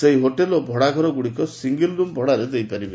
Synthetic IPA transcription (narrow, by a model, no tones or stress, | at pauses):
seɦiɦoʈelobʱɔɽaɡʱɔɾɔɡuɽikɔsiŋɡildumbʱɔɽaɾed̪ejpaɾibe